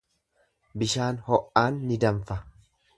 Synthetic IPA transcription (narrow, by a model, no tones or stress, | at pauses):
bɪʃaːnhɔʔaːnːɪd̪ɐɱfɐ